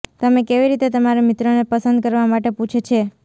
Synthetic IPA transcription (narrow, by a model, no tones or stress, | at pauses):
t̪əmekeʋiɾit̪et̪əmaɾemit̪ɾonepəsənd̪̚kəɾʋamaʈeput͡ʃʰet͡ʃʰe